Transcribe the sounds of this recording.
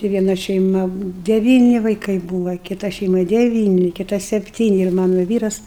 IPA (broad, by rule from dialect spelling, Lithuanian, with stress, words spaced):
tɐɪ ʋʲiɛˈnɐ ʃʲɛɪˈmɐ dʲɛˈʋʲiːnʲɪ ʋɐɪˈkɐɪ ˈbuːʋɐ kʲɪˈtɐ ʃʲɛɪˈmɐ dʲɛˈʋʲiːnʲɪ kʲɪˈtɐ sʲɛpʲˈtʲiːnʲɪ ɪr ˈmɑːnoː ˈʋʲiːrɐs